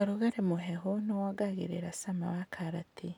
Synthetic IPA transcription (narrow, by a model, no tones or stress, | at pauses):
aɾuɣaɾemuɦeɦunowaɡaɣḭɾiɾasama̰wakʰaɾati